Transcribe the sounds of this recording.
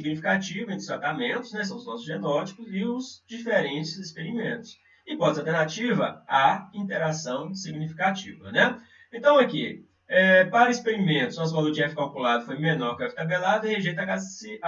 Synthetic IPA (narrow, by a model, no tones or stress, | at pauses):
siɡnifikat͡ʃivɐẽt̪ʊ̥st̪ɾat̪amẽnt̪ʊsznɛs̬ɐ̃w̃ʊznɔsʊzʒenɔt͡ʃi̥kʊzɪʊzd͡ʒifeɾẽt͡ʃɪzispeɾimḛ̃nt̪ʊ̥s | ɪ̃kɔ̃zalˠt̪eɾnat͡ʃivɐ̰aĩt̪eɾasɐ̃w̃siɡnifi̥kat͡ʃivɐ̰nɛ | ẽnt̪ɐ̃w̃ɐki | ɛpaɾɐispeɾimẽnt̪ʊsɔ̃s̬ɐ̃d̪ʊd͡ʒiɛfkalwkulad̪ʊfojmenɔɾkafi̥t̪abelad̪ʊɪheʒejt̪akasɪ